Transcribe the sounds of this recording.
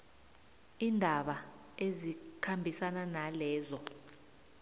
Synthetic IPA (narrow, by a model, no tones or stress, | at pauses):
iːndʱaɓa | ezikʰambʱisananalɛːzɔ